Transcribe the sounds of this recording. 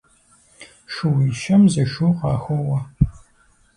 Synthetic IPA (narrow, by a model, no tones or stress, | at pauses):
ʃuwiːʃɐmzɐʃuːqɑːxowɐ